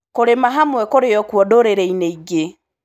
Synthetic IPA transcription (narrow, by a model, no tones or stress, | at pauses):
koɾemaɦamwɛkoɾeɔkwɔdoɾeɾeineiɡe